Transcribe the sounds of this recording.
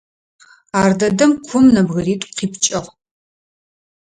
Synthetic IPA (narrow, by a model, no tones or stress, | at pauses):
aːrdɐdɐmkʷʰʊmnɐbɣɐriːtʷʼqʰiːpt͡ʃʼɐʁ